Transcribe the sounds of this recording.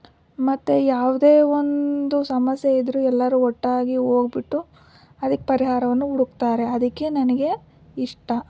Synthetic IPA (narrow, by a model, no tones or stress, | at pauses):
mɐt̪ːejaːʋud̪e̞ːond̪usɐmɐsjeid̪ɾuːɛlːɐɾuːɔʈːaːɡio̞ːɡbiʈːu | ɐd̪ɐkːepɐɾiɦaːɾɐʋɐnːuuɽukt̪aːɾe̞ɐd̪ɐkːe̞nɐnɐɡe̞ | iʂʈɐ